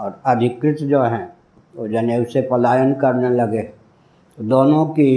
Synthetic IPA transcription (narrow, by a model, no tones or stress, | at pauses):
ɔːɾəd̪ʱɪkɾɪt̪d͡ʒoːɦɛ̃ | d͡ʒənesepəlaːjənkəɾneləɡe | d̪oːnõki